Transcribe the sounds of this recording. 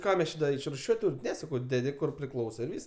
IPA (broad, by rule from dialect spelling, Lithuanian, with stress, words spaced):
ˈkɑː mʲɛs ˈt͡ʃʲɪ dɐ ɪʃrʊˈʃʲuɔtʲ ˈtuːrʲɪm ˈnʲɛ sɐˈkɐʊ ˈdʲæːdʲɪ kʊr pʲrʲɪˈklˠɐʊsoː ɪ ˈʋʲiːs